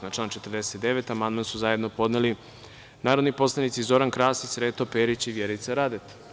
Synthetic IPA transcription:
nat͡ʃlaːnt͡ʃet̪rd̪e̞set̪d̪e̞ʋet̪amand̪mansuzaje̞d̪nopo̞d̪neli | naːɾod̪nipo̞slˠanit̪sizo̞ɾankɾaːsisɾeːt̪opeːɾit͡ɕiʋjeɾit̪saɾad̪et̪

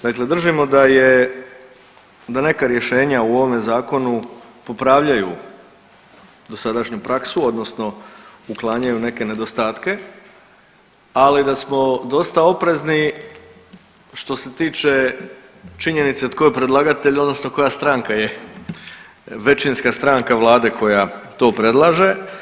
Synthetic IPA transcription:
d̪akle̞d̪r̩ʒimo̞d̪aje | d̪ane̞kaɾje̞ʃe̞ːɲauo̞ʋo̞me̞zaːko̞nupo̞pɾaːʋʎaju | d̪o̞sad̪aʃɲupɾaksuo̞d̪no̞sno̞uklˠaːɲajune̞ke̞ne̞d̪o̞st̪aːt̪ke̞ | alid̪asmo̞d̪o̞st̪ao̞pɾe̞zni | ʃt̪o̞se̞t̪iːt͡ʃe̞ | t͡ʃiɲe̞nit̪set̪ko̞jpɾed̪lˠaɡat̪e̞ʎod̪nosno̞ko̞jast̪ɾaŋkaje | ʋe̞t͡ʃinskast̪ɾaŋkaʋlˠaːd̪e̞kʰo̞jat̪o̞ːpɾe̞d̪lˠaʒe̞

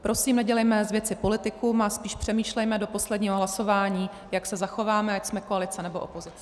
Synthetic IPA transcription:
pɾo̞siːmnɛɟɛlɛjmɛzvjɛt͡sɪpo̞lɪt̪ɪkumaspiːʃpr̥ɛmiːʃlɛjmɛdo̞po̞slɛdɲiːɦoɦlaso̞vaːɲiː | jaksɛzaxo̞vaːmɛacsmɛkoalɪt͡sɛnɛboʔo̰po̞zɪt͡sɛ

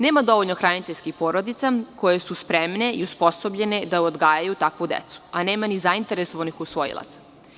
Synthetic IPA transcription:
ne̞ːmad̪o̞ʋo̞ʎnoxɾanit̪eʎʲskixpo̞ːɾo̞d̪it̪sako̞je̞suspɾemne̞iuspo̞sobʎe̞ned̪aod̪ɡaːjajut̪akʋud̪ḛt̪su̥ane̞ːmanizaint̪e̞ɾeso̞ʋanixusʋo̞jḭlˠa̰t̪sḁ

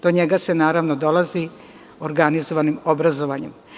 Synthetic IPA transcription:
d̪̥o̞ɲeɡasenaːɾaʋnod̪o̞lˠazi | oɾɡanizoʋanimobɾazo̞ʋaɲem

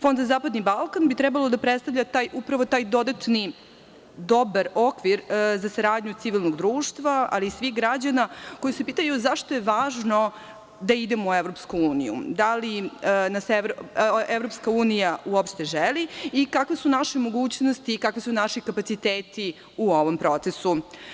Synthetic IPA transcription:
fo̞nd̪zazaːpad̪nibalˠkanbit̪ɾɛbalˠo̞d̪apɾet̪st̪avʎat̪aːjʔupɾaʋot̪aːjd̪o̞d̪at̪ni | d̪o̞baɾo̞kʋiɾzasaɾaːd̪ɲut̪siʋilˠnoɡd̪ɾuːʃt̪ʋaa̰liːsʋixɡɾad͡ʑanako̞jisepiːt̪ajuzaʃt̪ojeʋaːʒno̞ | d̪aid̪emoueʋɾo̞pskuuːnḭjṵd̪alinaseɾevɾopskauːnijaʔuopʃt̪e̞ʒeliikakʋesunaʃemo̞ɡuːt͡ɕnost̪iːkakʋisunaʃikapat̪sit̪eːt̪i | uo̞ʋo̞mpɾo̞t̪sesu

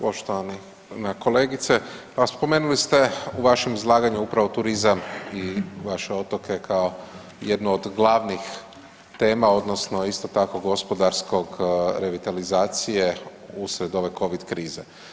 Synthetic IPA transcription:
po̞ʃt̪oʋani | nako̞leːɡit̪se | aspo̞me̞ːnulist̪e̞uʋaʃemizlˠaːɡaɲuupɾaʋo̞t̪uɾizamiʋaʃe̞o̞t̪o̞kʰe̞kʰao̞ | jed̪nood̪ɡlˠaʋnix | t̪e̞ːmao̞d̪nosno̞ist̪o̞t̪ako̞ɡo̞spod̪aɾsko̞ɡɾe̞ʋit̪alizaːt̪sije̞usɾe̞d̪o̞ʋe̞ko̞ʋid̪kɾiːze

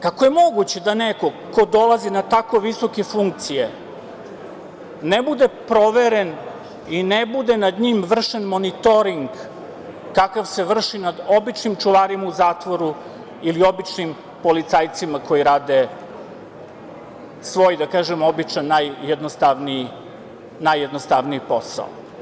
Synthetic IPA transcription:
kakoje̞mo̞ɡut͡ɕed̪aneko̞ko̞d̪o̞lˠazinat̪ako̞ʋiso̞ke̞fuŋk̚t̪sije | nebud̪epɾo̞ʋeɾen | inebud̪enad̪ɲimʋr̩ʂenmo̞nit̪o̞ɾiŋɡː | akaʋse̞ʋr̩ʂinad̪o̞bit͡ʃnimt͡ʃuʋaɾimauzaːt̪ʋoɾu | ilio̞bit͡ʃnim | po̞lit̪sajt̪simako̞jiɾaːd̪e | sʋo̞ːjd̪akaːʒemo̞bit͡ʂanːajːed̪nost̪aʋniji | najːed̪nost̪aʋnijipo̞sa̰o̰

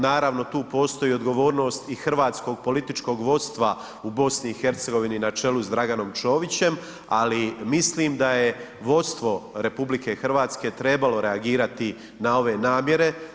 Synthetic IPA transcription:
naːɾaʋno̞t̪uːpo̞ːst̪o̞jio̞d̪ɡo̞ʋo̞ːɾno̞ːst̪ixr̩ʋaːt̪sko̞ɡ̚po̞lit̪it͡ʃko̞ɡʋo̞t̪st̪ʋa | ubo̞sniːxe̞ɾt̪se̞ɡo̞ʋininat͡ʃe̞luzd̪ɾaɡano̞mt͡ʃo̞ːʋit͡ɕe̞m | alimisliːmd̪ajeʋo̞t̪st̪ʋo̞ɾe̞publike̞xrɾʋaːt̪ske̞ːt̪ɾe̞balo̞ɾe̞aɡiːɾat̪i | nao̞ʋe̞naːmje̞ɾe̞

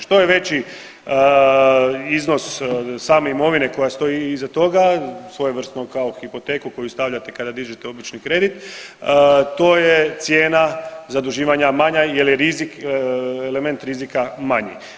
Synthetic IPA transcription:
ʃt̪o̞jeʋe̞t͡ɕi | izno̞ssaːme̞imo̞ʋine̞ko̞jast̪o̞iːzat̪o̞ɡasʋo̞jeʋr̩st̪nokao̞xipo̞t̪eːkuko̞just̪aʋʎat̪e̞kad̪ad̪iʒit̪eo̞bit͡ʃnikɾe̞d̪it̪ | t̪o̞jet̪sje̞ːnazad̪uʒiːʋaɲamaɲajeljeɾizik | eleme̞nt̪ɾizikamaɲḭ

